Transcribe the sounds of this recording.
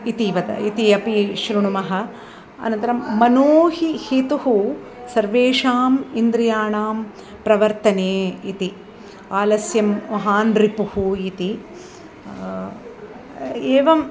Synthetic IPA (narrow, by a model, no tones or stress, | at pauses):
it̪iʋɐd̪ɐ̰it̪iɐpiʃɾuɳumɐɦɐ | ɐ̰nɐ̃nt̪ɐɾɐmːɐnoːhihit̪uhu | sɐɾʋeːʂaːmind̪ɾijaːɳaːm | pɾɐʋɐɾt̪ɐneːit̪i | aːlɐsjɐmʋɐɦaːnɾipuhuit̪i | eːʋɐm